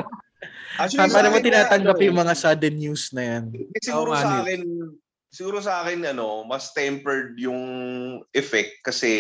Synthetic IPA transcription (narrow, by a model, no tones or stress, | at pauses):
pamɐnɐmɐt̪ɪnaːt̪ɐŋɡɐpjʊŋmɐŋasad̪ɛnjusnɐjansɪuɾokɛn | sɪɡuːɾosɐaːkɪnɐno̞mɐst̪ɛmpɛɹd̪̚jʊŋʔɛfɛk̚t̪̚kɐsɛ